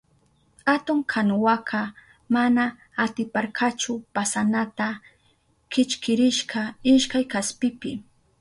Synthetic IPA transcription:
hat̪ʊŋkʰanʊwakʰɑ | manaː | t̪ɪpaɾkat͡ʃʊpasanat̪a | kɪt͡ʃkɪɾɪʃkaɪʃkajkaspɪpɪ

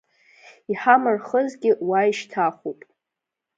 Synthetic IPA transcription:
iħamɨrχəzɡʲɪwaiʃtʰaχʷupʼ

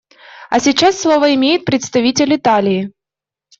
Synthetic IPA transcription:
ɐsʲɪt͡ɕasːlˠovəɪmʲejɪt̪̚pɾʲɪt̪st̪ɐvʲitʲɪlʲɪt̪alʲɪː

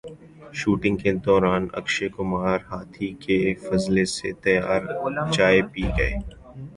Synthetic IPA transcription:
ʃuːʈɪ̃ŋɡ̚ked̪ɔːɾaːnɐ̰kʃekʊmaːɾɦaːt̪ʰikefɐzleset̪ɐjaːɾt͡ʃaːepiːɡɐeː

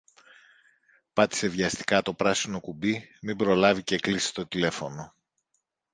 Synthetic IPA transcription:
pɐt̪i̥se̞vʝɐst̪i̥kɐt̪o̞pɾɐsino̞kubimimbɾo̞lɐvice̞klisi̥t̪o̞t̪ile̞fo̞no̞

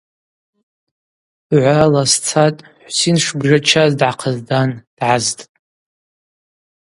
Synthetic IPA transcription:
ʕʷralast͡sʰatʼħʷsinʂbʐat͡ʃʰazdʕaqʰəzdand̥ʕaztʼ

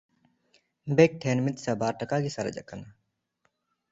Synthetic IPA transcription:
beːk̚ʈʰeːnmɪt̪saːbaːɾʈəkaːɡisɐɾə̰d͡ʒə̰ʔkːəna

